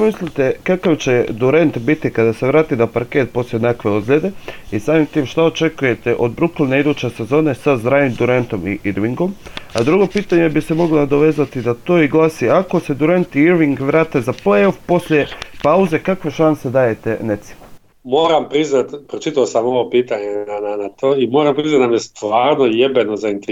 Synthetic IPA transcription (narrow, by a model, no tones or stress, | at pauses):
mislit̪e̞kakaʋt͡ɕe̞d̪uɾe̞nt̪bit̪ikad̪ase̞ʋɾaːt̪izapaɾke̞t̪̚po̞slʲjʲenakʋe̞od̪ɡʎʲed̪e̞isaːmimt̪iːmʃt̪aot͡ʃe̞kuje̞t̪e̞ʔo̞d̪bɾuklneid̪ut͡ɕe̞se̞zo̞ːne̞sazɾaːʋimd̪uɾe̞nt̪o̞mḭʔiɾʋiŋɡo̞ma̰d̪ɾuɡo̞piːt̪aɲe̞bise̞mo̞ɡlonad̪o̞ʋe̞ːzat̪id̪at̪o̞ːiɡlˠaːsiako̞se̞d̪uɾent̪iiɾʋiŋɡʋɾaːt̪ezaplejo̞fpo̞sʎʲe̞pauze̞kakʋe̞ʃanse̞d̪aːje̞t̪e̞net̪si̥m | mo̞ːɾampɾiznat̪pɾot͡ʃit̪aosamo̞ʋopiːt̪aɲeananat̪oːimo̞ːɾampɾiznat̪namjest̪ʋaːɾnojebenozaint̪e